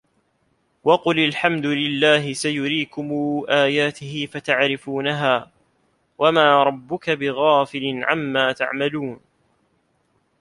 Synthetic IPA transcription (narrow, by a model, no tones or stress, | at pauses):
wɑqʊlalħamd̪ʊlɪlːaːɦɪsajʊɾiːkʊmuːʔaːjaːt̪ɪhɪfat̪aʕɾɪfuːnaɦaː | wamaːɾˤɑbːʊkabɪɣaːfɪlɪnʕa̰mːaːt̪a̰ʕmaluːn